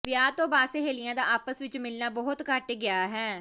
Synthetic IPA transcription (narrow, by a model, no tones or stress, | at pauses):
ʋjaːt̪õːbaːseɦeːlijãːd̪aːʔaːpəsʋɪt͡ʃmɪlnaːbɔːʊt̪kəʈɡɪaːɦɛː